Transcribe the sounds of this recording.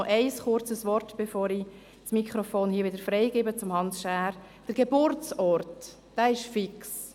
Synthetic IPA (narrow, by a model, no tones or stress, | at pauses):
ʔɛɪsχʊɾt͡səsʋɔrtb̥efɔːɾi | smikʰχɾɔfoːnhiːəʋɪdəɾfɾɛɪɡɪːbət͡sʊmhɑnsʃæːɾ | d̥əɾɡ̥ebʊɾt͡sɔɾt | d̥æːɪʃfɪks